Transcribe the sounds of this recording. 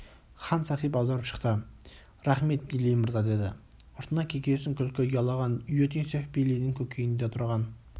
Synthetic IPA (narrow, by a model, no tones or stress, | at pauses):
χɑnsɑqijpɑwd̪ɑɾəpʃə̥qt̪ə | ɾæχme̞t̪̚bnɪlːijmɪɾzɑd̪e̞d̪ɪ̰ | ʊɾt̪ənɑkʲʰekʲesɪŋkʲʰʏlkʲɪjɑlˠɑʁɑnjot̪insefbelijd̪ɪŋkʲʰɵkʲʰejɪnd̪et̪ʰʊɾʁɑn